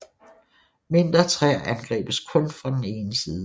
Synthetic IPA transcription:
me̝nd̥ʁɐt͡sʰʁɛænɡ̥ʁɛ̰ːb̥əskʰɔ̽nfʁɑ̈d̥ene̝ːnəsiːðˠ

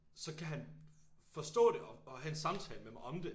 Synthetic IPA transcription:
sɒ̽kʰæɦænfɒ̽sd̥ɔ̰̽ːɾe̝ʔɒ̽ɒ̽ɦæe̝nsɑ̈mt͡sʰɛ̰ːləmemɑ̈ɒ̽md̥e̝

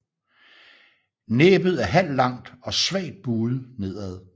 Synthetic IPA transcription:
neːb̥ð̩ˠæɦæl̰lːɑ̈ŋ̰d̥ɒ̽sʋɛ̰ːd̥̚b̥uːð̞̩ˠne̝ð̞̰ˠæð̞ˠ

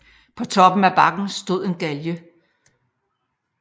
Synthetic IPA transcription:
pʰɒ̽t͡sʰɒ̽b̥n̩æb̥ɑ̈ɡ̥n̩sd̥o̝ð̞̰ˠe̝nɡ̥æljə

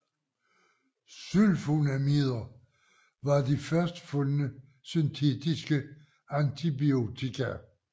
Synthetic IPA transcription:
sylfonæmiðˠɐ | ʋɑ̈d̥ifɶɐsd̥fɔ̽lnə | synt͡sʰe̝̰d̥isɡ̥ə | ænt͡sʰibio̝t͡sʰikʰæ

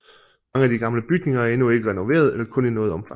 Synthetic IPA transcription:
ɑŋəæd̥iɡ̥ɑ̈mləb̥yɡ̥ne̝ŋɐæɐe̝nue̝ɡ̥əʁɛno̝ʋe̝̰ːɐð̞ˠelɐkʰɔ̽ninɔ̽ːð̩ˠɒ̽mfʰɑ

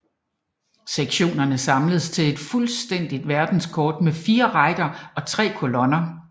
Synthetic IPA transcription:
seɡ̥ɕo̝̰ːnɐnəsɑ̈mləð̩ˠst͡sʰe̝le̝d̥fulsd̥en̰d̥id̥ʋæɐd̥n̩skʰɒːd̥mefiːɐʁɑ̈ɪd̥ɐɒ̽t͡sʰʁɛ̰ːkʰo̝lɔ̽nɐ

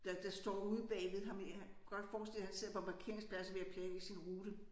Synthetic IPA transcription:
d̥ɑd̥ɑ̈sd̥ɒ̰ːuð̞ˠb̥ɛːʋe̝ðˠɦɑ̈mhæ | ɡ̥ɒ̽d̥fɒːsd̥el̰ˠhænse̝ð̰ˠɐpʰɒmpʰɑ̈kʰe̝̰ɐ̰ŋspʰlæsəʋe̝æpʰlɛːisinʁuːd̥ə

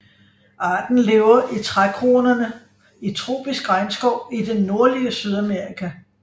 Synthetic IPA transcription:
ʔɑ̈ːd̥n̩le̝ːʊɐʔit͡sʰʁakʰʁo̝ːnɐnə | it͡sʰʁo̝̰ːb̥isɡ̥ʁɑ̈ɪnsɡ̥ɒʊ̰id̥enːo̝ɐliəsyð̞ˠæmeɐʁikʰæ

